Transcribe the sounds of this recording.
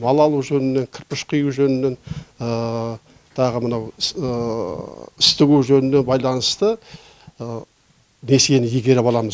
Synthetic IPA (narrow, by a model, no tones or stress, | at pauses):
mɑlˠɑlˠuʒɵnɪnːe̞ŋkʲʰɪɾpɪʃqʰijuwʒɵnɪnːe̞nə | t̪ʰɑʁəmənɑw | ɪst̪ɪɡʲuʒɵnɪne̞nbɑjlˠɑnəst̪ə | ne̞senɪjeɡʲe̞ɾepɑlˠɑməz